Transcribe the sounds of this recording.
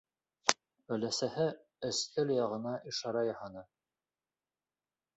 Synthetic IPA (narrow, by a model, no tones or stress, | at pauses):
ɵ̆læsæhɘ | ɘ̆st̪ɘljɑʁɤ̆nɑʔiʃɑɾɑjɑhɑnɤ